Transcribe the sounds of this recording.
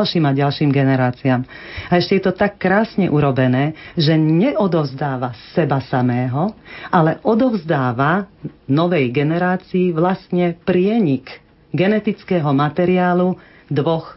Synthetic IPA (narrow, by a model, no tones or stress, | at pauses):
lʃiːmaɟalʃiːmɡɛnɛɾaːt͡siaːm | aɛʃcɛjɛt̪ɔt̪akːɾaːsɲɛ̰ʔuɾɔbɛnɛːʒɛɲɛʔɔd̪ɔʊzd̪aːʋasɛbasamɛːɦɔʔalɛʔɔd̪ɔʊzd̪aːʋanɔʋɛjɡɛnɛɾaːt͡siːʋlast̪ɲɛpɾɪɛɲik | ɡɛnɛt̪it͡skɛːɦɔmat̪ɛɾiaːlu | d̪ʋɔx